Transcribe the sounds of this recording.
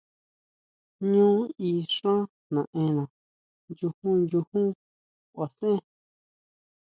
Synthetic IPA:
ɲũː˦i˧ʂã˦ | nã˨ʔẽ˧nã˨ | ju˧hũ˦nju˧hũ˦ | a˨sẽ˦

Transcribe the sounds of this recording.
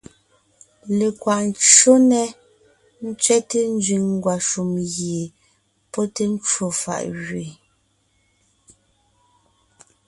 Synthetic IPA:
le˨kwa˨n˨t͡ʃo˦nɛ˦ | n̩˦t͡sɥɛ˦te˦n̩˦d͡zɥi˨ŋŋ˦ɡwa˨ʃu˨mɣje˨ | pɔ˦te˦n˦t͡ʃwo˨fa̰˨ʔɣɥe˨

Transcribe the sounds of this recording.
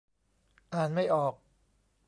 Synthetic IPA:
ʔaː˨˩nma˥˩jʔɔː˨˩k̚

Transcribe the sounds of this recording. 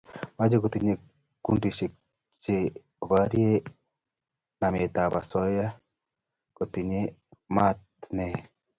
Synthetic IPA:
ma˦d͡ʒe˦ko˨t̪i˨ɲe˨ | kṵ˦ndi˨ʃe˨ | t͡ʃe˨ | βa˦ɾi˦e˦ | na˨me˨t̪a˨βa̰˨sɔ˦ja˦ | ko˨t̪i˨ɲe˦ma˦tne˨

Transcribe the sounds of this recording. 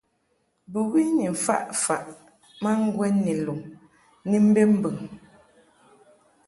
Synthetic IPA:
bu˨ɣi˦ni˨fa̰˦ʔfa˨ʔ | ma˦ŋ˦ɡwɛ˦nːi˨lu˨ŋ | ni˦m̩˦be˦m̩˦bə˨ŋ

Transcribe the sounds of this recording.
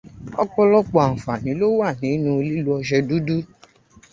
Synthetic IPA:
ɔ̰˦k͡pɔ˧lɔ˧k͡pɔ˨a˨n̩˨fa˨nĩ˨˦lo˦wa˦˨nĩ˨˦nũ˧˦o˧li˦lu˦ɔ˧ʃ̬ɛ˧du˦du˦

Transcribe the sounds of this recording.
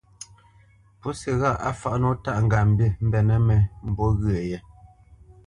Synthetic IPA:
pu˦sɛ˨ɣa˦˨ʔa˦fa˨ʔnɔ˦ta˦ʔŋ̩˨ɡa˨m̩˨be˦˨m̩˦bɛ˨nɛ˦mɛ˨m̩˨bɔ˦ɣɰe˨jɛ˦

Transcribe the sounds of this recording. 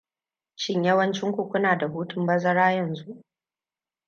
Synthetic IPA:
t͡ʃɪ˦ɲjɐ˦wɐ˦nt͡ʃɪ˦ŋkʷʊ˦˨kʷʊ˦naː˨da˨ɦuː˦tʊ˨mbɐ˦zɐ˦ɾaː˦jɐ˨nzu˦ʔ

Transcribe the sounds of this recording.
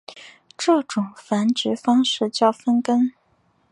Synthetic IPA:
ʈ͡ʂɤ˥˩ʈ͡ʂʊ˨˩ŋfa˧˥nt͡ɕy˧˥fɑ˥ŋʂɻ̩˥˧t͡ɕjɑ˥˩ʊfə˥nkə˥n

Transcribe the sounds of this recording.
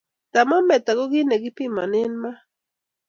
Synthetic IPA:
t̪a˨ma˦mme˨t̪a˨ɡo˦ɡi˦ne˨ɡi˦pima̰˨ne˦nma˦

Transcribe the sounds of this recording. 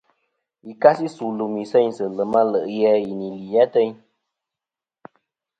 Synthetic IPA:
i˨ka˦si˦su˨lu˨mi˨sɛ˦ɲsə˨lə˨ma˦lə˨ʔjɛ˦i˨ni˨li˨jɛ˦tɛ˦ɲ

